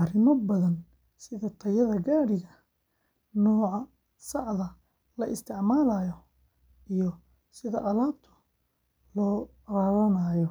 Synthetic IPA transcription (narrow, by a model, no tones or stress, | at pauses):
ʔɑrɪmɔbɐðɐn | sɪðɐt̪ʰɐjɐðɐɡaːɽɪɣɐ | nɔːʕɑ | sɑʕðɐ | lɐʔɪst̪ʰɪʕmaːlɐjɔ | ijɔ | sɪðɐʔɐlaːb̚t̪ʰʊ̥ | lɔː | raːwɐnajɔ